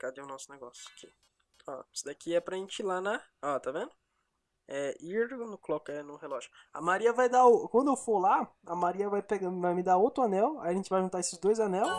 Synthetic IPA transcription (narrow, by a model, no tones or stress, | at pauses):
kad̪eʊ̃nɔsʊneɡɔsjʊḁkʰɪ | ɔsɪd̪akiɛpɾɐʒẽnt͡ʃɪlanaɔt̪avẽnd̪ʊ | ɛiɾd̪̃nʊklɔkɛnʊhelɔʒʊ | ɐ̰maɾiɐvajd̪akwɐ̃nd̪ʊewfolaɐmaɾiɐvajpeɡavajmɪd̪aowt̪ɾʊɐnɛwa̰jiɐʒẽt͡ʃɪvajʒũt̪aesɪzd̪ojzɐnɛw